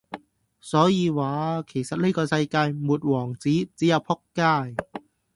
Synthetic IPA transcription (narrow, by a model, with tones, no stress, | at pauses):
sɔː˨˥jiː˧waː˨˧˦kʰeː˨˩sa˧˥t̚le˥˩˨kɔː˧sa˧jkaː˧jmu˨˩t̪̚wɔː˨˩ŋt͡siː˨˦˥t͡si˦˥a˧˩pʰɔ˥˩kkːaː˧˩j